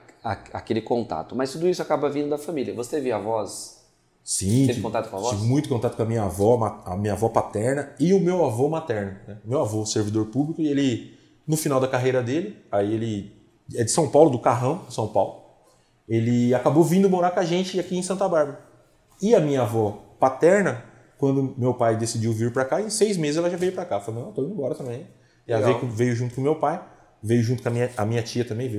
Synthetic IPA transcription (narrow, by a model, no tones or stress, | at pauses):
aa̰kelɪkõnt̪a̰t̪ʊmɐst̪ud̪ʊisʊakabɐvĩnd̪ʊd̪ɐfamilʲiɐvoseviavɔs | sĩevɪkõt̪at̪ʊkõavɔt͡ʃivmũj̃t̪ʊkõt̪at̪ʊkõɐmĩɲɐavɔmaa̰mĩɲavɔpat̪ɛɾnɐɪʊmewavomat̪ɛɾnʊnɛʊmewavoseɾvid̪oɾpublikʊielɪ | nʊfinawd̪ɐkaɦejɾɐd̪elɪaielɪ | ɛd͡ʒɪsɐ̃w̃pawlʊd̪ʊkaɦɐ̃w̃sɐ̃w̃pawlʊ | elɪakabovĩnd̪ʊmoɾakaʒẽnt͡ʃɪakiẽj̃sɐ̃nt̪ɐbaɾbɐɾɐ | ɪɐmĩɲɐavɔpat̪ɛɾnɐ | kwɐ̃nd̪ʊmewpajd̪esid͡ʒiwviɾpɾakaẽsejzmezɪzɛlɐʒavejʊpɾakafolnɐ̃w̃t̪oĩbɔɾɐt̪ɐ̃mbẽj̃ | ɛlɐvejkvejʊʒũt̪ʊkõmewpaj | vejʊʒũt̪ʊkɐmĩɲɐɐ̰mĩɲɐt͡ʃiɐt̪ɐ̃mbẽj̃vejʊ